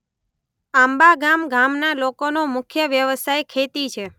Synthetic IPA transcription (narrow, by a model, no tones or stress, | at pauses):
ambaɡamɡamnalokonomʊkʰjəʋjəʋsajkʰet̪it͡ʃʰe